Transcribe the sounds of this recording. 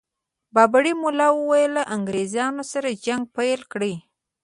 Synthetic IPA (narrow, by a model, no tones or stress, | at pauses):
bɑbaɽimʊlɑwəwajəlːaʔaŋɡɾezjɑnosaɾad͡ʒaŋɡ̚pajlkɽəj